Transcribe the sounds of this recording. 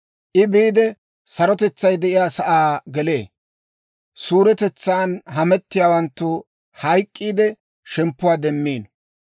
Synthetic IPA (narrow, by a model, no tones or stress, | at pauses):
ʔɪbiːd̪ɛ | sɐɾɔt̪ɛt͡sːɐjd̪ɛʔɪjaːsɐʔaːɡɛle̞ː | suːɾɛt̪ɛt͡sːaːnɦɐmɛt̪ːɪjaːwɐnt̪ːʊ | hɐjkʼːiːd̪ɛ | ʃɛmpːʊwaːd̪ɛmːiːn